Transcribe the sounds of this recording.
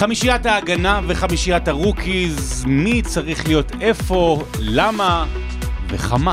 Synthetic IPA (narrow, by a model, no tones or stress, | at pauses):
χamiʃijataːɡanaveχamiʃijataʁukʰizmit͡saʁiχlijo̞te̞fo̞ | lama | vḛχama